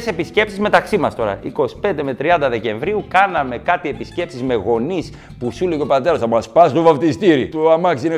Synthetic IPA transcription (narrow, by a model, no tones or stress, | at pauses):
se̞pisce̞psizme̞t̪ɐksimɐst̪o̞ɾɐ̰ʔiko̞si̥pe̞nd̪eme̞t̪ɾiɐnd̪ɐðe̞ce̞ɱvɾiukɐnɐme̞kɐt̪ie̞pisce̞psizme̞ɣo̞nis | pusuleco̞pɐt̪e̞ɾɐsɐmɐspɐst̪ovɐpt̪ist̪iɾḭt̪oɐmɐksine